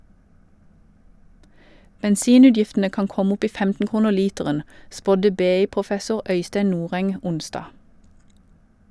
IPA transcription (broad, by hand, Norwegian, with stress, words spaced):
bɛnˈsiːˌnʉːdjɪftənə ˈkɑːn ˈkɔm ˈʊp ˈiː ˈfɛmtn̩ ˈkuːnəʁ ˈliːtɛʁən ˈspɔdə ˈbeːˌiːpʁʊˌfɛsʊʁ ˈœʏsteɪ ˈnuːʁɛŋ ˈʊnsdɑː